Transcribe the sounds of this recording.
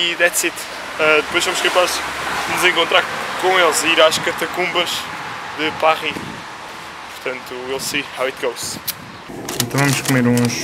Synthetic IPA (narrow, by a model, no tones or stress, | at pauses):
iðɛt̪sit̪ | ad̪ɨpojʒvɐmʃkẽpaʃnuzẽŋkõnt̪ɾaɾkõelˠʃiiɾaʃkɐɾt̪ɐkũmbɐʒ | ðɨpaʁi | puɾt̪ɐ̃nt̪uelˠsihawit̪ɡɐws | ẽnt̪ɐ̃w̃vɐmuʃkumeɾũʃ